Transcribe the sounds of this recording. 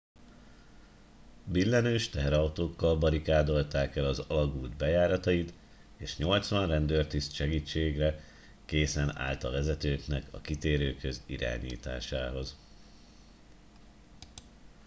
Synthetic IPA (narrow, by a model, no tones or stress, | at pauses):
bilːɛnøːʃt̪ɛɦɛɾɒwt̪oːkːɒlbɒɾikaːd̪o̞lt̪aːkɛlɒzɒlɒɡuːld̪bɛjaːɾɒt̪ɒjit̪ | eːʃɲo̞lt̪sʋɒnrɛnd̪øːrt̪ist̪ʃɛɡiːt͡ʃːeːɡrɛ | keːsɛna̰ːlt̪ɒvɛzɛt̪øːknɛkɒ̰kit̪eːɾøːkhøziɾa̰ːɲḭːt̪a̰ːʃaːɦo̞z